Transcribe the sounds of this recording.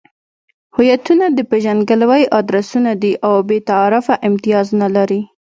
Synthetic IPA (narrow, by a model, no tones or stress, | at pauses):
hʊjat̪unad̪əpeʒanɡalawajʔɑd̪ɾasunad̪iʔawbet̪aːɾʊfaʔɪmt̪ijɑznalaɾi